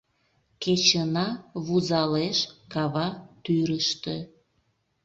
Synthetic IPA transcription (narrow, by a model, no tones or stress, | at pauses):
ket͡ɕənɑβuzɑleʃkɑβɑt̪yɾəʃt̪e